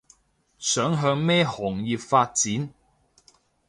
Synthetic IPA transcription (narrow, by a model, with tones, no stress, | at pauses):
sœː˨˥ŋɦœː˧ŋmɛː˥hɔː˨˩ŋjiː˨p̚faː˧t̚t͡siː˨˥n